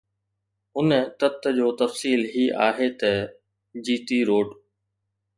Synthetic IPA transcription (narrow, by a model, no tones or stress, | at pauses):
ʊnət̪ɐt̪d͡ʑoːt̪ɐfsiːlɦiːʔaːɦet̪ɐ | d͡ʑiːt̪iɾoːɖ